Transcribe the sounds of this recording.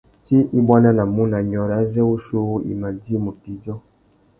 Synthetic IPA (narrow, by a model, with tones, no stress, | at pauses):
ti˦ʔi˦bwa˦na˦na˨mu˦na˨ɲɔ˨ɾa˦zɛ˦u˦ʃo˦ɣu˦ḭ˨ma˨di˦˨mu˨ti˨d͡ʒɔ˦